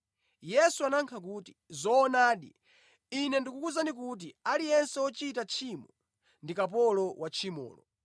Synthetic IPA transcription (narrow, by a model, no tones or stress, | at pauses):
jɛsuanaŋkʰak̬uti̥zɔːnaːɗḭ | inɛndikukuzanikut̬ialijɛnsɛɔt͡ʃitat͡ʃʰimɔ | ndikap̬ɔlɔwat͡ʃʰimɔ̰ːlɔ̰